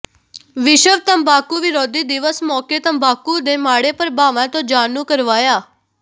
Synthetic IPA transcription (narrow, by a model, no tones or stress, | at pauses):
ʋɪʃəʋt̪əmbaːkuʋɪɾoːd̪iːd̪ɪʋəsmɔːket̪əmbʱaːkuːd̪eːmaːɽeːpəɾbaːʋãːt̪õːd͡ʒaːnũːkəɾʋaːjaː